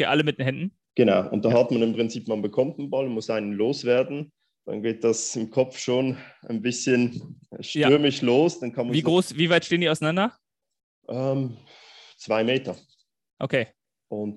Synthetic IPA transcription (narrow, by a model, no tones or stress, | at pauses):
keːʔaləmɪtd̥eːnɦɛndn̩ | ɡ̥ənaʊʔʊ̰nt̚d̥ahatmanɪmpʁ̥ɪnt͡siːpmanbəkʰɔmt̚nbalʊnmʊsʔaɪnənloːsv̥ɛːɐdn̩ | d̥a̰nɡeːt̚d̥asɪmkʰɔp͡fʃoːnaɪnbɪsçənʃtjʏɐmɪçloːsd̥ankʰɑnmaviːɡʁoːsv̥iːvaɪtʃteːəndiːaʊanandɐ | ʔɛm | t͡sv̥aɪmeːtɐ | ʔokʰeː | ʔʊnt